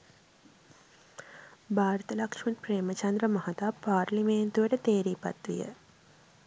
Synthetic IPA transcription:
bʱaːɾt̪ɐlɐkʂmɐnpɾeːmɐt͡ʃɐnd̪ɾəmɐɦɐt̪apaːɾlimeːnt̪uʋəʈət̪eːɾiːpɐ̰t̪ʋḭjə̰

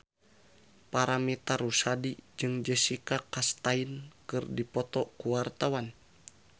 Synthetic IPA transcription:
paɾamit̪arusadid͡ʒɨŋd͡ʒəsikakast̪ainkɨrdipɔt̪ɔkuwart̪awan

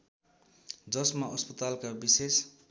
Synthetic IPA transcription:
d͡zʌsmaʔʌspʌt̪alkabises

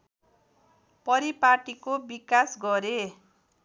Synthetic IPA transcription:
pʌɾipaʈikobikasɡʌɾe

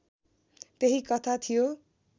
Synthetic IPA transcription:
t̪eɦikʌt̪ʰat̪ʰijo

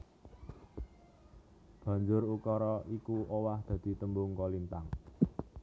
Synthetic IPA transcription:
b̥a̤ɲd͡ʒʊrukɔɾɔikuʔowahd̪̥ä̤d̪̥i̤t̪əmbʊŋkolint̪aŋ

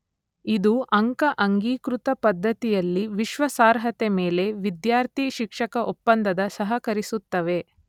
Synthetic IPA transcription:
id̪uʔɐŋkɐʔɐŋɡiːkɾut̪ɐpɐd̪ʱːɐt̪ijɐlːiʋiʃʋɐsaːɾɦɐt̪emeːle̞ʋid̪jaːɾt̪ʰiʃikʂɐkɐʔɔpːɐnd̪ʱɐd̪ɐsɐɦɐkɐɾisut̪ːɐʋe̞

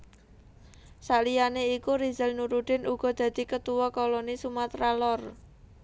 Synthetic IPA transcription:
saʔlijaneikuɾizəlnuɾuɖ̪̥ɪ̤nʔuɡ̥ɔ̤d̪̥ä̤d̪̥i̤kət̪uwɔkolonisumat̪ralɔr

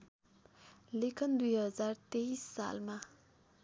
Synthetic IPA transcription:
lekʰənd̪ujɦəzart̪eisa̰lma

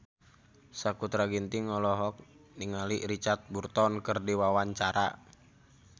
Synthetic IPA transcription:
sakut̪ɾaɡint̪iŋɔlɔɦɔk̚ | niŋaliɾit͡ʃart̪̚burt̪ɔnkərdiwawaɲt͡ʃaɾa̰

